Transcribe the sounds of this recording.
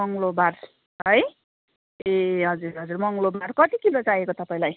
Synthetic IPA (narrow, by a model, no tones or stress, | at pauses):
ʌŋlobar | ɦʌj | eɦʌd͡zurɦʌd͡zurmʌŋlobarkʌʈ̪ikilod͡zajekot̪ʌpaĩlaj